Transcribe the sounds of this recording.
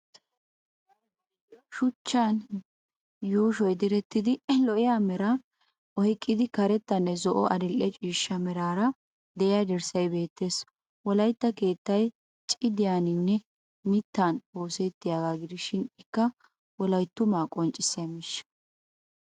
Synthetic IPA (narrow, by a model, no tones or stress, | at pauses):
ʃʊt͡ʃːan | juːʃɔjd̪ɪɾɛt̪ːɪd̪ɪlɔʔɪjaːmɛɾɐ | ʔɔhɪkʼːɪd̪ɪkɐɾɛt̪ːɐnːɛzɔʔɔʔɐd̪ɪlʔɛt͡ʃʼiːʃːɐmɛɾaːɾɐ | d̪ɛʔɪjad̪ɛɾsɐjbe̞ːt̪ːe̞ːs | wɔlɐjt̪ːɐke̞ːt̪ːɐj | t͡ʃʼɪd̪ɪjaːnɪnːɛ | mɪt̪ːano̞ːsɛt̪ːɪjaːɡaːɡɪd̪ɪʃɪnɪkːɐ | wɔlɐjt̪ːʊmaːkʼɔnt͡ʃʼɪsemɪʃː